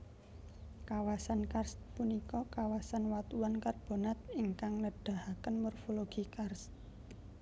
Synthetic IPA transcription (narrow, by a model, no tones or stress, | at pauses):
kawasankarspunikɔkawasanwat̪uwankarb̥o̤nat̪̚iŋkaŋləɖ̥a̤hakənmɔrfoloɡ̥i̤kars